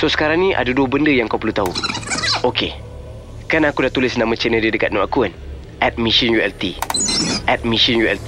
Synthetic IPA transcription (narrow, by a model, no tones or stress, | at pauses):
sosə̥kaɾaŋnĩʔa̰daduəbəndəjaŋkawpəlut̪au | oke | kanakudat̪ulɪsnãmə̃t͡ʃənə̃dədəkat̪̚nɔʔakuan | ɛt̪̚mĩʃinjuɛlt̪i | ʔɛt̪̚mĩʃinjuɛlt̪i